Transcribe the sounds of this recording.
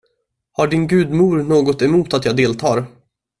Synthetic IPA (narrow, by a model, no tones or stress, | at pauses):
haɖɪnɡʉ̟ːd̪muːɾnoːɡɔt̪ɛmuːt̪at̪jɑːɡd̪eːlt̪ʰɑːɾ